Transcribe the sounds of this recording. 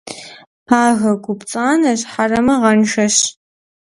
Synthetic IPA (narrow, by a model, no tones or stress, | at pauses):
pʰaːɣɐɡʷʊpt͡sʼaːnɐɕħarɐmɐʁɐnʃɐɕ